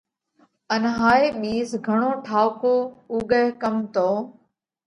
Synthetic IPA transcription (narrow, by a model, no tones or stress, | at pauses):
ənɦaːeːɓiːsɡʱəɳ̃oːʈʰaːʋkoːuːɡəɦkəmt̪oː